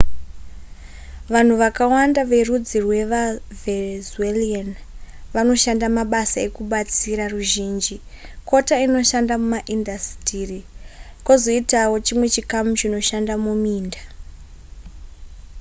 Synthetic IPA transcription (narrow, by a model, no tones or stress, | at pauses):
ʋan̤uʋakawandaʋe̞rud͡zirwe̞ʋavezuelian | ʋano̞ʃandamaɓasae̞kuɓat͡siɾaruʒiːnd͡ʒikʰo̞taino̞ʃandamumaʔindastiːrikozo̞itawo̞t͡ʃimwe̞t͡ʃikamut͡ʃino̞ʃandamumiːnda